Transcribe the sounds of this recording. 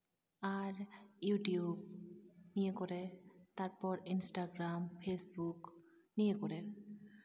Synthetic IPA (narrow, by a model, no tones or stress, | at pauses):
aɹjuʈijubnijekɔɹɛt̪aɹpɔɹinsʈaɡɹampʰesbuk | nijekɔɹɛ